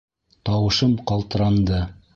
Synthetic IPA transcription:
t̪ɑwɤ̆ʃɤmqɑlˠt̪ɤ̆ɾɑnd̪ɤ

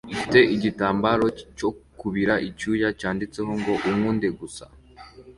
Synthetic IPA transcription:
ifite̞ʔiɟitaːmbaɾo̞co̞kuβiɾaʔicuːjacaːndit͡se̞ɦo̞ŋɡo̞ʔuŋŋuːnde̞ɡusa̰

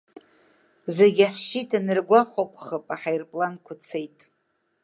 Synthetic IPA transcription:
zeɡʲaħʃitʰʼanɨrɡʷaχʷakʷʼχəpʼaħajrpʼlankʷʰat͡sʰejtʼ

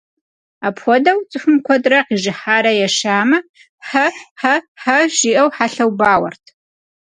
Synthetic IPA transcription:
apʰxʷɔdɐwt͡sʼɨħʷʊmkʷʰɔdrɐqiʒɨħaːɾɐjɛʂaːmɐ | ħɐħɐħɐʒiʔɐwħaɬɐwbaːwɐ̰rtʰ

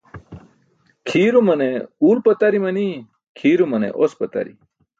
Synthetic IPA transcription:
kʰiːɾumɐneuːlpɐt̪ɐɾimɐni | kʰiːɾumɐnḛʔospɐt̪ɐ̰ɾḭ

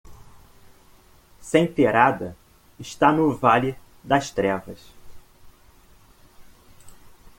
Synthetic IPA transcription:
sẽj̃peɾad̪ɐ | ɪʃt̪anʊvalɪ | d̪ɐst̪ɾɛvɐs

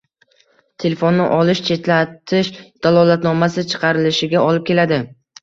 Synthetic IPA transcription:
t̪ʰe̞lefo̞nːɪʔɒlɪʃt͡ʃʰe̞t̪lat̪ʰɪʃd̪̥alˠɒlat̪nɒmasɪt͡ʃʰɨ̥qʰɑɾɪlɪʃɪɡʲaɒlɪp̚kʲʰe̞lad̪ɪ

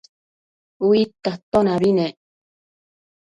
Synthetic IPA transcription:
uit̪ːat̪onaβine

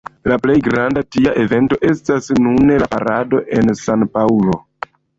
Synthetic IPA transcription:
laple̞jɡɾandatiaʔe̞ve̞nto̞ʔe̞stasnunelapa̰ɾado̞ʔe̞nsanpaulo̞̰

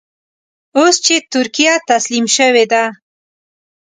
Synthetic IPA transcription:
ost͡ʃet̪ʊɾkijat̪aslimʃəwed̪a

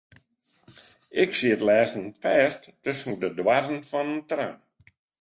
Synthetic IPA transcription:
ɪksiətlɛːzənpɛːsttøsn̩dədwaɾənfɔnəntra̰n

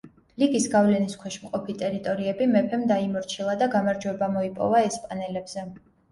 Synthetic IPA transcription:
liɡisɡavlɛniskʰwɛʃmqʼɔpʰit̪ʼɛɾit̪ʼɔɾiɛbimɛpʰɛmd̪aimɔɾt͡ʃʰilˠad̪aɡamaɾd͡ʒwɛbamɔipʼɔ̰vaɛspʼanɛlɛbz̥ɛ

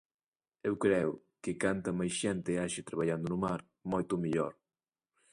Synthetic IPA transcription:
ewkɾɛw | kɪkant̪ɐmajʃɛnt̪ɪaʃɪt̪ɾaβaʎand̪ʊnʊmaɾ | mɔjt̪ʊmiʎɔ̰ɾ

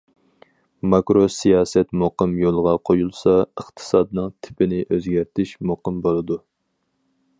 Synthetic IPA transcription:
mɑkɾosijɑːsɛt̪moqɨmjolˠʁɑqʰojulˠsɑəχt̪ʰɨ̥sɑd̪nɨŋt̪ʰɪ̥pɪnɪʔøzɡʲæɾt̪ʰɪʃmoqɨmbolˠɨd̪u

